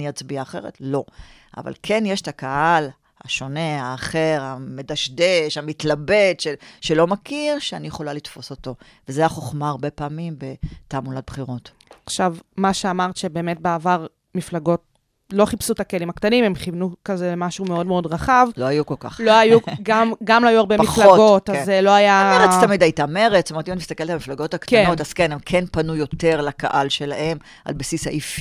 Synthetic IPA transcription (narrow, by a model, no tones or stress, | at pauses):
niat͡sbiaːχe̞ʁḛtlo̞ | ʔa̰va̰lkʰenjeʃe̥takahal | ha̰ʃo̞ne̞aːχeʁamedaʃdeʃamitlabedʃeʃelomakʰiʁʃeanijeχo̞lalitfo̞so̞to̞ | vezeaχo̞χmaːʁbe̞paːmimbe̞tamulat̚bχiʁo̞t | aχʃavmaʃeamaʁtʃe̞be̞ːme̞t̚beavaʁ | miflaɡot̚ | lo̞χipsutakelimakt̪animemχivnukazelemaʃume̞o̞dmeo̞dʁaχavloajukolka̰χloajuɡamɡamloajuaʁbemiflaɡo̞tazelo̞ajaeʁest̪amid̪ajit̪ame̞ʁetstometimnmist̪akeltamiflaɡo̞taktkaenotaz̥kenemkʰenpanujo̞te̞ʁlakaʔalʃe̞lahe̞m | a̰lbasisha̰ʔifi